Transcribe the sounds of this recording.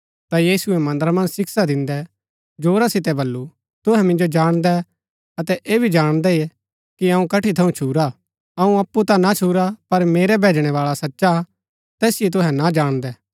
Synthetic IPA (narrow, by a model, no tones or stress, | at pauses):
t̪ajiːsʊɛmɐ̃nd̪əɾamɐ̃nd͡ʒsɪksad̪ɪ̃nd̪ɛ | d͡ʒoːɾasɪt̪ɛbɐlːu | t̪ʊɦɛmɪ̃nd͡ʒod͡ʒaːɽ̃d̪ɛ | ɐt̪ɛʔeːbʱid͡ʒaːɽ̃d̪ɛi | kiɐũkɐʈit̪ʰɐũt͡ʃʰuːɾa | ɐũɐpːut̪anat͡ʃʰuːɾapɐɾmeːɾɛbʱeːd͡ʒɽ̃ɛʋaːɭasɐtːʃa | t̪ɛːsɪjet̪̬ʊɦɛnad͡ʒaːɽ̃d̪ɛː